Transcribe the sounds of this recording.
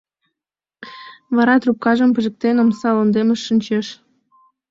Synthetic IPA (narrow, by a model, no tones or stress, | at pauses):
βɑɾɑt̪rup̚kɑʒəmpə̆ʒə̆k̚t̪enomsɑlond̪eməʃːənʲt͡ɕeʃ